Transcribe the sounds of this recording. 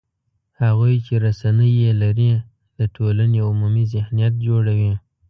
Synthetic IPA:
haɣujt͡ʃeɾasanəjelaɾi | d̪̥əʈʰolaneʊmumizɪhnijat̪̚d͡ʒoɽawi

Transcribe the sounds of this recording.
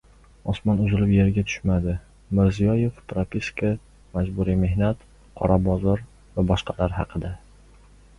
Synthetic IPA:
ɒsmɒnʊzɪlɪpje̞ɾɡʲat̪ʰʊ̥ʃmad̪ɪ | mɪɾzijɒje̞fpɾapiskʰa | mad͡ʒbʊɾime̞hnat̪ | qʰɒ̰ɾabɒzɒɾ | vabɒʃqʰɑ̥laɾɦɑ̰qʰɨd̪a

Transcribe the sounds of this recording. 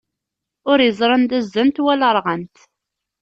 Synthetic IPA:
ʊɾjəzˤɾˤənd̪æzːənt̪wæləɾˤʁənt̪

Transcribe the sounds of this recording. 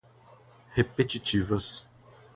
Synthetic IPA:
hepet͡ʃit͡ʃivɐs

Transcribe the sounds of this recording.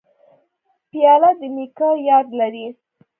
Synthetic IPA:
pjɑlad̪əmikɑjɑd̪laɾi

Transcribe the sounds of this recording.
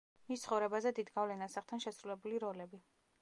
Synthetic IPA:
mist̪sʰχɔvɾɛbazɛd̪id̪ɡavlɛnasaχt̪ʰanʃɛsɾulɛbuliɾɔlɛbi

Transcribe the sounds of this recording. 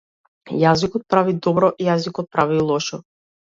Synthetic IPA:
jazikɔt̪̚pɾavid̪ɔbɾɔʔijazikɔt̪̚pɾavilˠɔʃɔ

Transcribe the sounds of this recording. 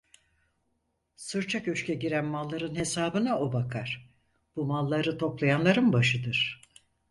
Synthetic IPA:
sɯɾt͡ʃʰakøʃcɛɟiɾænmalˠːaɾɯnhe̞saːbɯnao̞bakʰaɾ̥ | b̥umalˠːaɾɯt̪ʰo̞plˠajanlˠaɾɯnbaʃɯd̪ɯɾ̥

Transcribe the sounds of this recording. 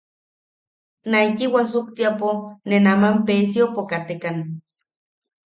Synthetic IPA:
naikiwas̬uk̚t̪iaponenamampesjopokat̪ekan

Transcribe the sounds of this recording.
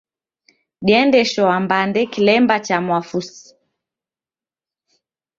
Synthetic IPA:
ɗiɛndɛʃɔambandɛkilɛmbat͡ʃamwafusi̥

